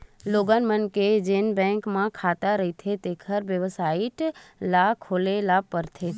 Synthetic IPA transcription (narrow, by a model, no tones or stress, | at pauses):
loɡanmənked͡ʒenbɛ̃ŋkmãkʰat̪aɾəit̪ʰet̪ekʰəɾʋjəʋsaiʈlakʰolelapəɾt̪ʰe